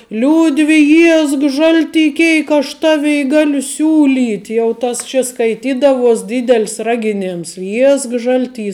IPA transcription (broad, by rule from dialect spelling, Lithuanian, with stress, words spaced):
ˈlʲuːdʲʋʲɪ ˈjiɛsk ˈʒɐlʲˌtʲiː ˈkʲeːɪk ɐʃ ˈtɑːʋʲɛɪ ˈɡɑːlʲʊ ˈsʲuːˌlʲiːtʲ jɛʊ ˈtɐs t͡ʃʲɛ skɐɪˈtʲiːdɐʋuɔs ˈdʲiːdʲɛlʲsʲ ˈrɑːɡʲɪˌnʲeːms ˈjiɛsk ˈʒɐlʲˌtʲiː